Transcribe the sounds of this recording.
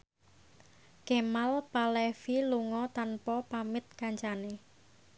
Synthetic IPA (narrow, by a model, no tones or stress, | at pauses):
kɛmalpalɛfiluŋɔt̪anpɔpamɪt̪̚kaɲt͡ʃane